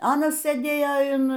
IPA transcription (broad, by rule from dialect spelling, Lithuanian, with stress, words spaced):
ˈɑːnɐs sɘˈdʲeːjoː ɪn